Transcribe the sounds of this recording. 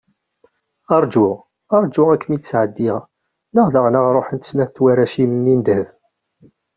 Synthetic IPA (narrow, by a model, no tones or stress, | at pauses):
ɑɾˤd͡ʒʊʁ | ɑɾˤd͡ʒʊʁækːmit͡sːʕəd̪ːiʁ | nəʁðəʁnəʁɾˤoħənt̪ə̥snæθt̪ːwæɾæʃimənːind̪æð